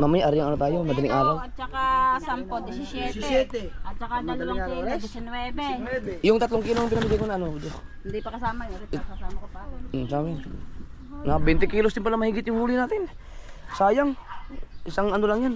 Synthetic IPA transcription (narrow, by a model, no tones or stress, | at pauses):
mamajʔaɾijaŋɐnot̪aːjomɐd̪ɐlɪŋʔaːɾawɐt͡ʃɐkasampod̪ɪsisjɛssjɛt̪ɛɐt̪̚t͡ʃɐkamɐɐlaŋaaɛd̪ɪsinwɛːbɛwɛbɛjʊŋt̪ɐt̪loŋkiːloŋpɪnɐmɪɡ̪ajkonaʔɐnoud̪o | nd̪ipɐkɐsaːmɐjsamkoasamɛ | nabɛnt̪ɛkiːlosd̪ɪnpɐlamɐhiːɡɪt̪̚jʊŋhuːlɪnaːt̪ɪnsaːjaŋʔɪsaŋɐnolaŋjan